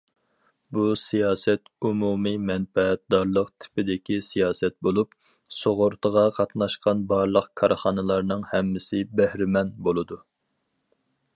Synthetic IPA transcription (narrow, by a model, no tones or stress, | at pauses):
busijɑːsɛt̪umumimɛnfɛɛt̪̚d̪ɑɾlˠəqt̪ʰɪ̥pɪd̪ɪkʲisijɑːsɛt̪̚bolˠup̚ | soʁʊɾt̪ʰəʁɑqʰɑt̪nɑʃqɑnbɑɾlˠəqkʰɑɾχɑnɨlˠɑɾnɨŋhɛmːɪsɪbæhɾɪmɛnbolˠɨd̪u